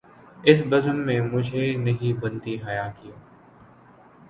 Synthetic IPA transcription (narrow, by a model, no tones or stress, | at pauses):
ɪs̬bɐzənːẽmʊd͡ʒʱenɐɦĩbɐ̃nt̪iɦɐjaːkioː